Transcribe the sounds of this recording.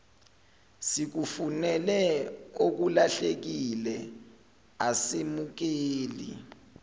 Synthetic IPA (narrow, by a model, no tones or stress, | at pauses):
sik̬ufunɛlɛok̬ulaɬek̬ilɛ | asemuk̬eːlḭ